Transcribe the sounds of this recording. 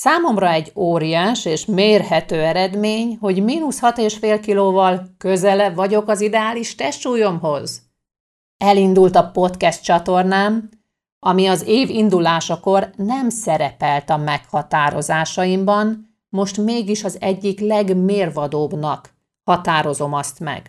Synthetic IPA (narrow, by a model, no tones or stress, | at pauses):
saːmo̞mrɒɛɟːoːɾijaːʃeːʃmeːrɦɛt̪øːɛɾɛd̪meːɲho̞ɟmiːnushɒt̪eːʃfeːlkiloːvɒlkø̞zɛlɛbvɒɟo̞kɒzid̪ɛaːliʃt̪ɛʃuːjo̞mɦo̞z | ɛlind̪ult̪ɒpo̞t̪kɛst̪t͡ʃɒt̪o̞rnaːm | ʔɒmiɒzeːvind̪ulaːʃɒko̞rnɛmsɛɾɛpɛlt̪ɒmɛkhɒt̪aːɾo̞̰zaːʃɒjimbɒn | mo̞ʃt̪meːɡiʃɒzɛɟːiklɛɡmeːrvɒd̪oːbnɒk | hɒt̪aːɾo̞zo̞mɒst̪mɛ̰ɡ̥